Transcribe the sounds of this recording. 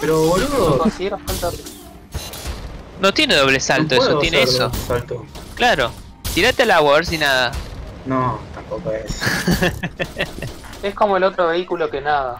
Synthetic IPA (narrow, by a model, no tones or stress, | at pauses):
peɾoβolokosiɣjeɾofalt̪a | not̪jene̞ðo̞βlesalt̪oesot̪jeneesosalt̪oklaɾo | t̪iɾat̪ealawaeɾsinaðanot̪ampokoes | ehko̞moelo̞t̪ɾoβeikulo̞kenaða